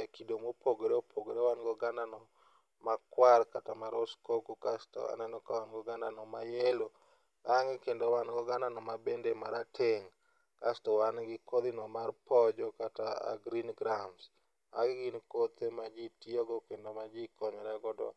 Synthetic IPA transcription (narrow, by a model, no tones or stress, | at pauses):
ɛkidomopʰoɡeɾeopʰoɡeɾewanɡɔɡandanɔ | makwaɾkatamaɾɔskokukastɔ̰a̰nɛnɔkawanɡɔɡandanɔmajelo | aŋɪkendowanɡɔɡandanɔmabendemaɾatʰeŋ | kastɔwanɡɪkod̪inɔmarpɔd͡ʒɔkataa̰ɡɾinɡɾams | a̰ɡɡinkot̪emad͡ʒitiɔɡɔkendomad͡ʒɪkɔɲɔɾɛɡɔdɔ̰